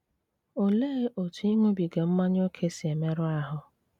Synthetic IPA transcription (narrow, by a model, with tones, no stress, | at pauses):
o˨leː˦o˨tu˨i˦ŋʷo˦bi˨ɡe˨m̩˦ma˦ɲ˦o˦kʰe˦si˨e˨me˦ɾʊ˦a˦ɦʊ˨